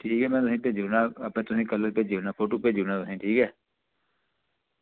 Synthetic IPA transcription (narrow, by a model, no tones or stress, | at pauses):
ʈʰiːkɦɛːmɛ̃ːt̪ʊsĩːpeːd͡ʒuːnãːəpɛ̃ːt̪ʊsĩːkəlːəɾpeːd͡ʒuːnaːpʰoːʈoːpeːd͡ʒuːnãːt̪ʊsĩːʈʰiːkɛː